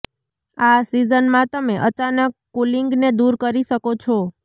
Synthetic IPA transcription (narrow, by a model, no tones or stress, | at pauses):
asizənmãt̪əmeʔət͡ʃanəkːuliŋɡned̪uɾkəɾiʃəkot͡ʃʰo